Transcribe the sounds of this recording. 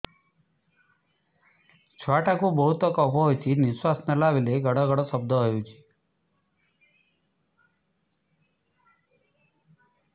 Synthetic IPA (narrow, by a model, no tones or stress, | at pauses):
t͡ʃʰwaʈakũbəɦut̪ɔkɔpɔɦojt͡ʃʰiniswasnəlaʋileɡəɽɔɡəɽosəb̚d̪ʱəɦəjũt͡ʃʰi̥